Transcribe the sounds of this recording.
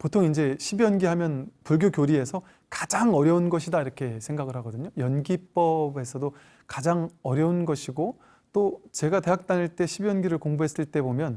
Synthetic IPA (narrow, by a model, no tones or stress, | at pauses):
potʰoŋind͡ʑe̞ɕʰibjʌnɡiɦamjʌnpuɭɡjokjoɾie̞sʰʌ | kḁd͡ʑaŋʌɾjʌunɡʌɕʰidaiɾʌkʰe̞sʰe̞ŋɡaɡɯɭɦaɡʌdɯɲojʌnɡip͈ʌbe̞sʰʌdo | kad͡ʑaŋʌɾjʌunɡʌɕʰiɡo | t͈ot͡ɕe̞ɡate̞ɦak̚t͈aniɭt͈e̞ɕʰibjʌnɡiɾɯɭkoŋbuɦe̞s͈ɯɭt͈e̞bomjʌn